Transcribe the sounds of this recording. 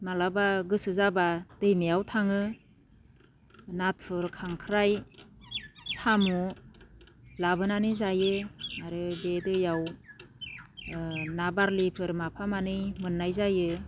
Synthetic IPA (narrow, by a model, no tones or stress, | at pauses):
malabaɡɯsɯzabad̥ɯjmijawtʰaŋɯ | nat̚pʰɯɾkʰaŋkʰɾaj | samu | labɯnanɯzajɯaɾɯbedɯjaw | nabaɾlipʰɯɾmapʰamanɯjmɯnːajzajɯ